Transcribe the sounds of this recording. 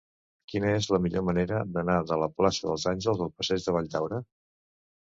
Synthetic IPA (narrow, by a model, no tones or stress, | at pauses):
kinəezləmiʎoməneɾəd̪ənaðələplasəðəlˠzanʲʒəlˠzðəlˠpəsɛʒðəβ̞aʎʲd̪awɾə